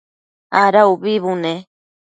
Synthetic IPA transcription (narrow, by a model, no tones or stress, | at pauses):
aɾauβiβunẽ